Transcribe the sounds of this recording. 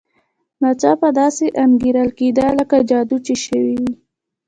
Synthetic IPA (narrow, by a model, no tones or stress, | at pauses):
nɑt͡sɑpad̪ɑseʔanɡiɾəlked̪ələkad͡ʒɑd̪ut͡ʃeʃəwiwi